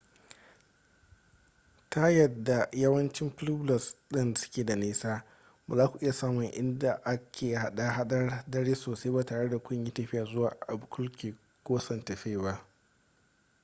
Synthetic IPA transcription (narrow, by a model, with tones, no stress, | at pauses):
ta˦jɐ˨dːa˨jɐ˦wɐ˦nt͡ʃɪ˦mɸʊ˦lu˦blɐ˨sɗɪ˦nda˨sʊ̥˦kʲeː˨da˨neː˦saː˦ | baː˨zaː˦kʷu˨ʔɪ˦ja˨saː˦mʊ˨ŋʔɪ˦nda˨ʔa˦kʲʰeː˨ha˦ɗa˦ɦa˦ɗɐ˦rdɐ˦ɽeː˦soː˨se˦baː˨taː˨ɽe˦da˨kʷʊ˦ɲji˦tɐ˨ɸɪ˦jaː˨zʊ˦waː˨ʔa˨bʊ˨kʰʊ˦lkʲeː˨ | kʷoː˦sɐ˨ntɐ˨ɸeː˦ba˦ʔ